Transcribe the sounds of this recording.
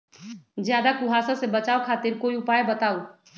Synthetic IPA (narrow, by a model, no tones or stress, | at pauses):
zjaːd̪akʊɦaːsãsebɐt͡ʃaːokʰaːt̪ɪɾkoːiʊpaːebɐt̪aːo